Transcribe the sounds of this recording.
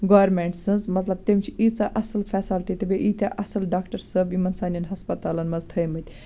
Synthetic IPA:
ɡoːʋɾmeɳʈsɨnzmɐt̪lɐb̚t̪emt͡ʃʰiit͡saːʔɐsɐlfʰɛːsaːlʈit̪ebeʔit̪ʲaʔɐsɐlɖaːkʈɐɾsəbimɐnsaːnʲjɐnɦɐspɐt̪aːlɐnmɐzt̪ʰəjmɨt̪ʲ

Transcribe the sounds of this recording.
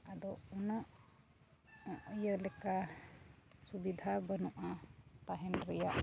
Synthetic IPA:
ad̪ɔɔnaʔ | jəlɛka | subid̪ʱabənuʔat̪aɦɛnɾɛjaʔ

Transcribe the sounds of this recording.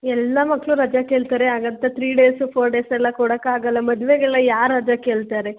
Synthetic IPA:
ɛlːɐmɐkːɭuɾɐd͡ʒakeːɭt̪aːɾeaːɡɐnt̪ɐt̪ʰɾiːɖeːsupʰoːɾɖeːsɛlːɐkoɽɐkːaːɡɐlːɐmɐd̪ʋeɡɐɭːɐjaːɾːɐd͡ʒakeːɭt̪aːɾe

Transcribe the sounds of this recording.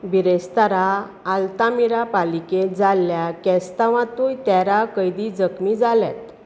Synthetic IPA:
biɾest̪aɾaː | lt̪amiɾapaliked͡zalːjakɛst̪aʋãt̪ujt̪jaɾakəjd̪id͡zəkmid͡zalɛ̰t̪

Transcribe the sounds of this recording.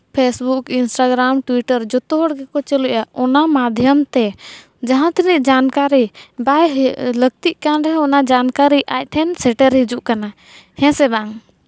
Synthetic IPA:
pʰesbukinsʈaɡɾamʈwiʈəɾd͡ʒɔt̪uɦɔɽɡɛkɔt͡ʃəluʔaɔnamad̪ʱjəmt̪ɛ | d͡ʒaɦãt̪ʰiniʔd͡ʒankaɾibajləɡ̚t̪iʔkanɾɛɦɔnad͡ʒankaɾiʔac̚ˀʈ̪ʰɛnsɛʈɛɾɦid͡ʒuʔkana | hɛ̃sɛbaaŋ

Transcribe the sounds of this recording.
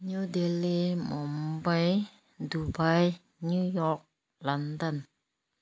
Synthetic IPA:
ɲjudelimɔmbaj | dubaj | nujɔk̚ | landən

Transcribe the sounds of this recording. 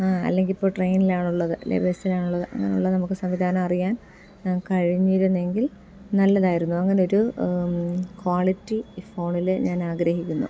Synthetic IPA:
aːɐ̰lːe̞ŋɡilipːo̞ːɭʈrejnilaːɳuɭːɐðɨlḛbʱesilaːɳuɭːɐðɨʔɐ̰ŋːɐ̰neṵɭːɐnɐmukːɨsɐmʋid̪ʱaːnɐmɐrijaːnː | kɐɻiɲːiːɾunːe̞ŋɡil | nɐlːɐðaːjiɾunːuɐŋːɐneo̞ɾu | kwaːɭitːifo̞ːɳilɨɲaːnaːɡɾɐɦikʲːunːṵ

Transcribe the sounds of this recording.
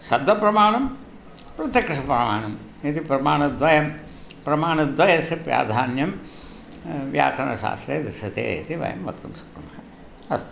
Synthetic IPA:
ʃɐbd̪ʱɐpɾɐmaːɳɐm | pɾɐt̪jɐkʂɪʂɐpɾɐmaːɳɐm | it̪ipɾɐmaːnɐd̪ʋɐjɐm | pɾɐmaːnɐd̪ʋɐjɐsɐpja̰ːd̪ʱaːnjɐm | ʋja̰ːkɐnɐ̰ʃa̰ːst̪ɾḛːd̪ɾɪʃɐt̪ḛːḭt̪iʋɐ̰jɐ̰mʋɐ̰t̪̚kumsɐ̥kːumɐɐ | ɐst̪

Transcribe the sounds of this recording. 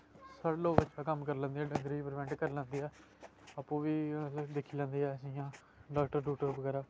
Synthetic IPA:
səɾloːbətːʃʰaːkəmkəɾlə̃ːnd̪iːɛːɖəŋɡɾiːpəɾəʋɛ̃ːɳʈkəɾlə̃ːnd̪iːɦɛː | aːpːũːʋiːd̪ɪkʰːiːlãːnd̪iːɦɛːəsiãː | ɖaːkʈəɾɖuːʈəɾbəɡɛːɾaː

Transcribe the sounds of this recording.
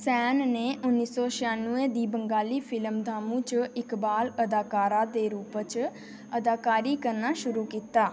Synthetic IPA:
sɛːnneːʔʊnːiːsɔːʃɪjaːnuẽːd̪iːbəŋɡaːliːpʰɪləmd̪ʱaːmũːt͡ʃɪkbaːləd̪aːkaːɾaːd̪eːɾuːpt͡ʃ | əd̪aːkaːɾiːkəɾnaːʃʊɾuːkiːt̪aː

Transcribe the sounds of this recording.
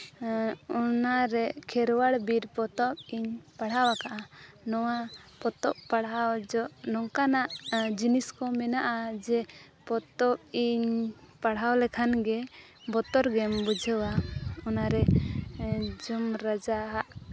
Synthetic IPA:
ɔnaɾɛkʰɛɾwaɽbiɾpɔt̪ɔpiɲpaɽ̤awakaʔa | nɔwapɔt̪ɔʔpaɽawd͡ʒɔʔnɔŋkanaʔd͡ʒiniskɔmɛnaʔad͡ʒɛ | pɔt̪ɔp̚iɲ | paɽ̤ɦawlɛkʰanɡɛ | bɔt̪ɔɾɡɛmbud͡ʒʱəwaɔnaɾɛ | d͡ʒumɾad͡ʒaɦaʔ

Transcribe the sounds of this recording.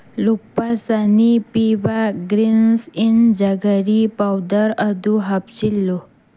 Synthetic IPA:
luk̚pasanipiʋaɡɾinsind͡ʑaɡəɾipawd̪əɾəd̪uɦapt͡ɕilːo

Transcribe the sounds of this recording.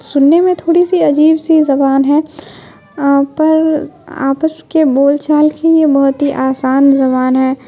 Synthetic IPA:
sʊnːemẽt̪ʰoːɽisiɐd͡ʒiːbsizɐbaːnɦɛː | pɐɾa̰ːpəskeboːlt͡ʃaːlkʰejebɐɦʊt̪iʔaːsaːnzɐβaːnɦɛː

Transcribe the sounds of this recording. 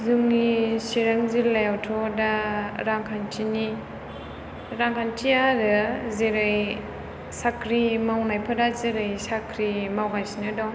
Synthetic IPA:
zuŋnisiɾaŋzillajawtʰɔdaɾaŋkʰantʰini | ɾaŋkʰantʰijaɾɯzeɾɯj | sakʰɾimawnajpʰadazeɾɯjsakʰɾimawɡajsinɯdɔw

